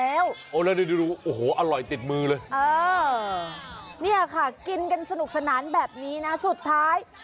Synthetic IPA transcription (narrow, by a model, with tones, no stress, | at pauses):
ɛː˦˥wʔoː˧˩lɛː˦˥niː˧˥˦de˧duː˧ʔoː˨˩hoː˩˦ʔa˧lɔ˨˩jt̪i˨˩t̪̚mɯː˧lɤː˧jʔɤː˧ | ni˥˩ɐkʰa˥˩ki˧nka˧nsa˧nu˨˩k̚sa˧naː˩˦nbɛː˨˩p̚niː˦˥na˦˥su˨˩t̪ʰːaː˦˥j